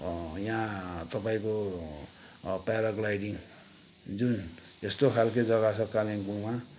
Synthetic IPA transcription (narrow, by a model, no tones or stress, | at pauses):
jãt̪ʌpaĩko | paɾaɡlajɽiŋ | d͡zun | est̪okʰalked͡zʌɣasʰʌkaleŋɡuma